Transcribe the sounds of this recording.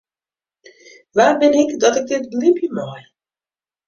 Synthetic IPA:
ʋaːrbɪnɪkdɔtɪɡ̚dɪt̚blɪmpjəmɔj

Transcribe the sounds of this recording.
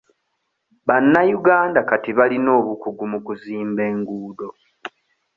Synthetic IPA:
βanːajuɡaːndakatiβalino̞ːβukuɡumukuziːmbe̞ːŋɡuːdo̞

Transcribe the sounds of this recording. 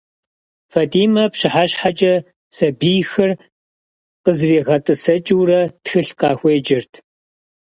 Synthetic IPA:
faːdiːmɐpɕɪħaɕħat͡ʃʼɐ | sɐbiːjxɐr | qəzreːʁɐtʼɨsɐt͡ʃʼɪwɾɐtxɨɬqʼɑːxʷeːd͡ʒɪrtʰ

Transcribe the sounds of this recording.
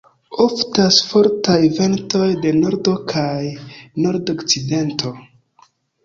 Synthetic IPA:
o̞ftasfo̞ɾtajve̞nto̞jde̞no̞ɾdo̞kʰajno̞ɾdokt͡side̞ntʰo̞

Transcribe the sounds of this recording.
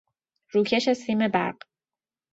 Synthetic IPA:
ɾuːcʰeʃæst̪iːmebæ̰ɾɢ

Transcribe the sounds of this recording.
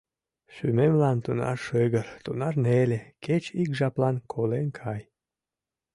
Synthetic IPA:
ʃymemlɑnt̪unɑ̰rʃɨɣərt̪unɑrneleket͡ɕikʒɑplɑnkʰolenkʰɑj

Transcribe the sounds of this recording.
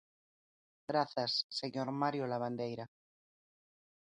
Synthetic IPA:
ɡɾaθasːeɲoɾmaɾjolaβ̞and̪ejɾa

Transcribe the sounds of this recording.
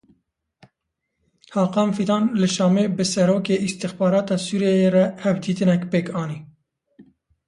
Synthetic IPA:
hɑːqɑːmfit̪ɑːnlɨʃɑːmeːbɨsɛɾoːkeːʔist̪ixbɑːɾɑːt̪ɑːsuːɾijɛjeːɾɛhɛvd̪iːt̪ɨnɛkpeːkɑːni

